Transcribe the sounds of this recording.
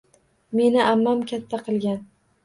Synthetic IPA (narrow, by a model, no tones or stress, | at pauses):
me̞nɪʔamːamkʲʰat̪ʰːaqʰɨlˠɡʲan